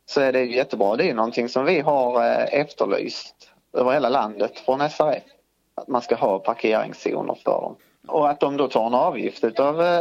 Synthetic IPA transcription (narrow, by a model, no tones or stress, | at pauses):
sɔæɖɛjɵjɛt̪ːəbɾɑːd̪ɛæɾjɵnɔnt̪ʰɪŋsɔmvɪɦaɾɛft̪əɭy̰ːst̪ | øːvəɾheːlaland̪ət̪fɾɔnɛsæɾɛ̰f | at̪manskaɦɑːpʰaɾkʰeːɾɪ̰ŋsṵːnə̰ɾfœ̰ɖɔ̰m | ɔat̪̚d̪ɔmd̪ot̪ʰɑːɾɛnɑːvjɪ̰ft̪ʉ̟ːt̪ɑv